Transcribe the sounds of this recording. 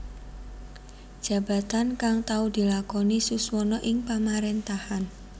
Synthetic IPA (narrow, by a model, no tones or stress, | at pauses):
d̥ʒ̥a̤b̥a̤t̪ankaŋt̪aud̪̥i̤lakɔnisuswɔnɔʔɪŋpamaɾɛnt̪ahan